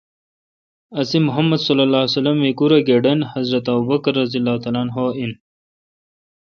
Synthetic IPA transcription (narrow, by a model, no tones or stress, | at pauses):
ɐsimʊɦɐmːɐd̪sɐlːɐlaːsɐlɐmːekuɾaɡeɖɐnhɐzɾɐt̪abubɐkɐɾːɐzijɐlːaːhut̪alaːnɦoːin